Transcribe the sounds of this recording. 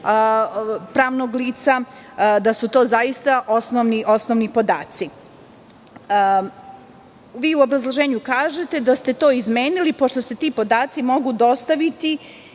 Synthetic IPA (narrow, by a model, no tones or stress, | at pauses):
pɾaːʋnoɡliːt̪sa | d̪asut̪o̞ːzajist̪aʔosnoʋniʔosnoʋnipo̞d̪aːt̪si | ʋiːuo̞bɾazlˠoʒeːɲukaːʒe̞t̪e̞d̪ast̪e̞t̪o̞ːizme̞ːnilipo̞ʃt̪o̞set̪iːpo̞d̪aːt̪simo̞ɡud̪o̞st̪aʋit̪i